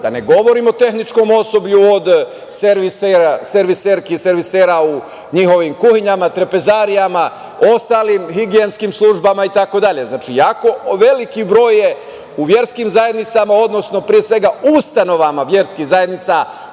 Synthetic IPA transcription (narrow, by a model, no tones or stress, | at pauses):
d̪̥a̰ne̞ɡo̞ʋo̞ɾimo̞t̪e̞xnit͡ʃko̞mo̞so̞bʎuod̪ | seɾʋiseɾaseɾʋiseɾkise̞ɾʋiseːɾau | ɲixo̞ʋimkuhiɲamat̪ɾepe̞zaːɾijama | o̞st̪alimxiɡienskimslˠuʒbamait̪ako̞d̪aʎe̞znaːt͡ʃijako̞ʋe̞likibɾo̞ːje̞ | uʋje̞ɾskimzaje̞d̪nit̪samao̞d̪no̞sno̞pɾije̞sʋe̞ɡaust̪ano̞ʋamaʋje̞ɾskixzaje̞d̪nit̪sa